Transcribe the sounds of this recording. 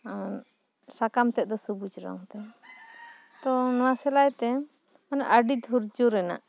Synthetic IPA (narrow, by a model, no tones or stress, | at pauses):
sakamt̪ɛt̪̚d̪ɔsubud͡ʒɾɔ̰ŋt̪ɛ | t̪ɔnɔwasɛlajt̪ɛ | manaʔəɖid̪ʱuɾd͡ʒuɾɛna̰ʔ